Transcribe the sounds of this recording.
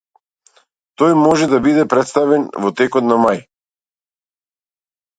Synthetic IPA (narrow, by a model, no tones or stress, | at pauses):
t̪ɔjmɔʒɛd̪abid̪ɛpɾɛt̪st̪avɛnvɔt̪ɛkɔt̪namaj